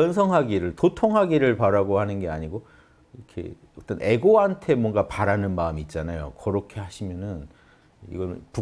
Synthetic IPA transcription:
ʌnsʰʌŋɦaɡiɾɯɭtotʰoŋɦaɡiɾɯɭpaɾaɡohanɯnɡe̞aɲiɡo | iʌkʰe̞̰ | ʌt͈ʌne̞ɡoɦantʰe̞mwʌnɡapaɾanɯnmaɯmiːt̚t͡ɕ͈anajo̰kʌɾʌkʰe̞haɕʰimjʌnɯn | ḭɡʌpu

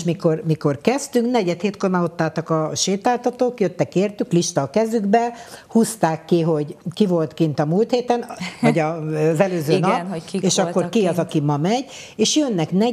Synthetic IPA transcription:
ʃmiko̞rmiko̞rkɛst̪yŋknɛɟɛt̪heːt̪kormao̞t̪ːaːlt̪ɒkɒʃeːt̪aːlt̪ɒt̪oːkjøt̪ːɛkeːrt̪ykliʃt̪ɒːkɛzyɡbɛhust̪aːkːiɦo̞ɟkivo̞lt̪kint̪ɒmuːlt̪heːt̪ɛnɒɟɒzɛløːzøːnpeːʃɒkːo̞rkiɒzɒkimɒmɛɟ | eːʃjønːɛknɛ

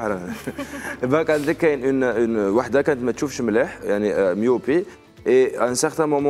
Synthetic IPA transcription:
ɾɑ | bækænt̪əkːænʔənnwaħd̪akænət̪mæt̪ʃufʃmləħjaʕnimjopi | ʔensəʁt̪æ̃mɔmɑ̃

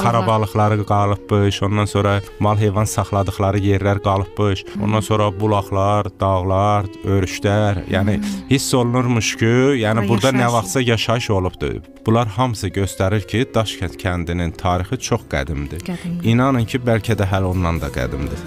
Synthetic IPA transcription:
kʰɑɾɑbɑɣlˠɯχlˠɑɾɯɡɑlˠɯp̚bɯʃo̞nd̪ɑnso̞ɾɑmɑlˠɦejvɑnsɑχlˠɑd̪ɯχlˠɑɾɯje̞ɾlæɾɡɑlˠɯp̚bɯʃo̰nd̪ɑnso̞ɾɑbulˠɑχlˠɑɾd̪ɑɣlˠɑɾø̞ɾyʃlæɾjæ̰ːnihisːo̞lˠunuɾmuʃcʰujænibuɾd̪ɑnævɑχt̪sɑjɑʃɑɯʃo̞lˠubd̪̥ṵ | b̥ulˠɑɾhɑmɯsɯɟø̞st̪æɾiɾcʰid̪ɑʃcʰænt̪̚cʰænd̪inint̪ʰɑːɾixit͡ʃʰoχɡ̥æ̰d̪imd̪ɪinɑnɯncʰibælcʰæd̪æɦælo̞nd̪ɑnd̪ɑɡæ̰d̪imd̪ɪ

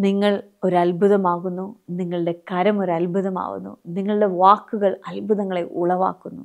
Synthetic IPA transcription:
niŋːɐɭ | o̞ɾuɐlbʱuðɐmaːɣunːuniŋːɐɭɨɽe̞kɐɾɐmo̞ɾɐlbʱuðɐma̰ːɣṵnːṵniŋːɐɭɨɽe̞ʋaːkːuɣɐɭɐlbʱuðɐŋːɐɭe̞ʔuɭɐʋa̰ːkːunːu

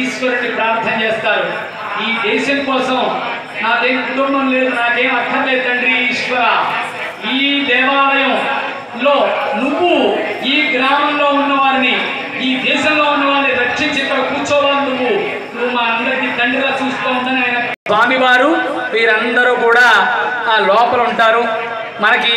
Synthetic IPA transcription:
ʃʋɐɾɐʈipɾaːɾt̪ʰɐnɐt͡ɕeːst̪aːɾu | iːd̪eːʃɐmkoːsɐm | naːt̪eːnkuʈ̪ɐɾmɐmleːɾnaːkeːɐt̪ʰːɐleːt̪ɐɳɖɾiiːʃʋɐɾaː | iːd̪ɛːʋaːlɐjɐ̃ː | loːnuʋuiːɡɾaːmɐmlo̞ːunːɐʋaːɾiniː | d̪ʱiːsɐmlo̞ːunːɐʋaːɾnːiɾɐkʂiɲt͡ʃet̪ːɐːkuːɾt͡ʃɔːʋaːnuʋu | nuʋːumaːɐnd̪ɐɾikid̪ɐɳɖɐɡaːt͡ʃuːsu̥t̪oːund̪ɐnɐjnɐ | aːmiʋaːɾu | miːɾɐnd̪ɐɾuːkuːɽaːlɔːpɐluɳʈaːɾu | mɐnɐki

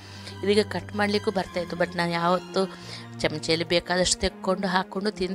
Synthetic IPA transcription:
id̪iɡɐkɐʈːmaːɽlikuːbɐɾt̪aːjt̪ubɐʈnaːnjaːʋɐt̪ːu | t͡ʃɐmt͡ʃeːlibɛːkaːd̪ɐʂʈu̥t̪ekkːoɳɖuɦaːkoɳɖut̪ind̪

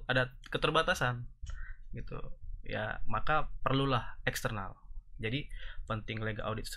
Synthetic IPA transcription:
adakət̪ərbat̪asan | ɡit̪ṵja̰makapərlulahɛkst̪ərna̰ld͡ʒadipənt̪ɪŋleɡaʔawdɪt̪̚s

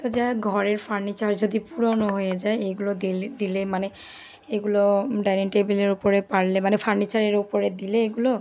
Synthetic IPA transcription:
t̪ɔzajɡʱɔɹeɹpʰaɹnit͡ʃaɹzod̪ipuɹɔnɔɦojɛzajeɡulɔd̪ild̪ilemane | eɡulɔɖajneʈebeleɹupɔɹepaɹlɛmanɛpʰaɹnit͡ʃaɹeɹupɔɹed̪ileeɡulɔ

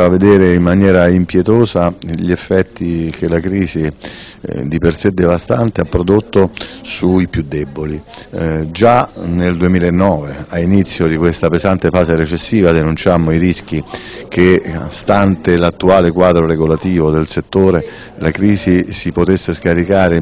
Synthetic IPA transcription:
aved̪ɛːɾeimːanjɛːɾaimpjet̪oːzaʎefːɛt̪ːik̟elakɾiːzi | d̪ipersed̪ːevast̪ant̪eapːɾod̪ot̪ːosuipjud̪ːɛbːoli | d͡ʒaneld̪uemiːlaenːɔːveainit̪sːjod̪ikwest̪apezant̪efaːzeɾet͡ʃesːiːvad̪enunt͡ʃamːoiɾisk̟ikest̪ant̪elat̪ːuaːlekwaːd̪ɾoɾeɡolat̪iːvod̪elset̪ːoːɾe | lakɾiːzisipot̪esːeskaɾikaːɾe

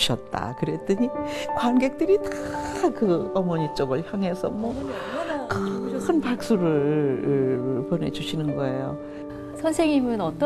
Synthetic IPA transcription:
ɕʰʌt̚t͈a̰kɯɾe̞t͈ɯɲikwanɡe̞k̚t͈ɯɾitakɯʌmʌɲit͡ɕ͈ʌɡɯɭçjaŋɦe̞sʰʌ̰mwʌ | kkɯnpak̚s͈uɾɯɭ | pʌne̞̰d͡ʑuɕʰinɯnɡʌe̞jo | sʰʌnsʰeŋimɯnʌt͈

